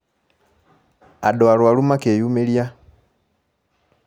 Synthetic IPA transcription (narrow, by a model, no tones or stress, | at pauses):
a̰doalwalumakeːjuːmelja